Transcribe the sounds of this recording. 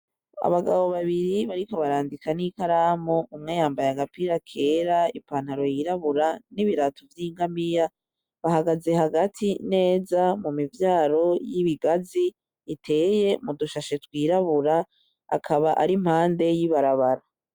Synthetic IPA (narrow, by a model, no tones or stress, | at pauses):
a̰βaɡaβo̞βaβiɾiβaɾikoβaɾaːndikanikaɾaːmoumŋeːjaːmbajaɡapiɾakʰe̞ːɾaipaːn̥haɾo̞jiɾaβuɾaniβiɾatovjiːŋɡamija | βaɦaɡaze̞ɦaɡatʰine̞ːzamumivjaːɾo̞jiβiɡaziː | tʰe̞ːje̞muduʃaʃe̞twiːɾaβuɾa | a̰kʰaβaʔa̰ɾim̥haːnde̞jiβaɾaβaɾa